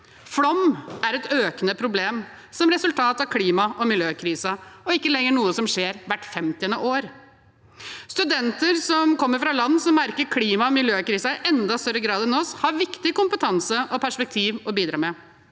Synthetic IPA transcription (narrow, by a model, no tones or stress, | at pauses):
fɽɔmæɾɛt̪øːkənəpʰɾʊbleːm | sɔmɾɛsʉlt̪ʰɑːt̪ɑʋkʰliːmɑʔɔmɪljøːkʰɾiːsəɔɪkːəlɛŋːəɳuːəsɔmʂeːɾʋæʈːfɛmt̪ɪənəʔoːɾ | st̪ʉd̪ɛnt̪əɾsɔmkʰɔmːəɾfɾɑlɑnːsɔmːæɾkəɾkʰliːmɑɔmɪljøːkɾiːsəɪʔɛnd̪ɑst̪œɾːəɡɾɑːd̪ɛnɔshɑɾʋɪkt̪ɪkʊmpət̪ʰɑnsəʔɔpʰæʂpɛk̚t̪ʰiːʋɔbiːd̪ɾɑ̰ːmɛ